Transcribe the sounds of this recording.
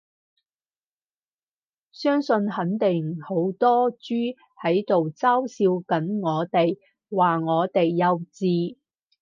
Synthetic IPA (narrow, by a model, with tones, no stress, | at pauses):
sœː˥ŋsɵ˧nhɐ˨˥nt̪ɪ˨˩ŋho˨˥wt̪ɔː˥t͡ʃyː˥ | hɐ˨˥jt̪o˨wt͡saː˥wsiː˧wkɐ˨˥nŋɔː˨˧t̪e˨j | waː˨˩ŋɔː˨˧t̪e˨jːɐ˨˧wt͡siː˧